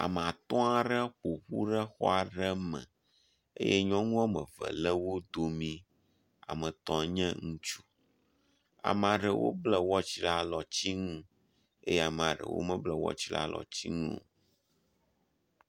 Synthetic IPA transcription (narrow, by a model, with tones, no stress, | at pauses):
a̰˨m˨a˨t̪ɔ̃˦a˦ɖə˦ɸo˨ɸu˦ɖə˦xɔ̰˦a˨ɖɛ˦mɛ̰̃˨ | ḛ˦jɛ˦ɲɔ̃˦ŋũ˦a˦mə̃˨və̰˨lɛ˦wo˦d̪o˨mĩ˦ | a̰˨mɛ̃˨t̪ɔ̃˨ɲɛ̃˦ŋũ˦t͡ʃu̥˦ | a̰˨m˨a˨ɖə˨wʔo̰˦blɛ˦wɔ˦t͡ɕi˦la˦lɔ˨t͡ɕi˦ŋũ˦ | ḛ˦jɛ˦a˨m˨a˨ɖə̰˨wo̰˦mə̃˦blɛ˨wɔ̰˦t͡ɕi˦la̰˦lʔɔ̰˨t͡ɕi˦ŋũ˦˨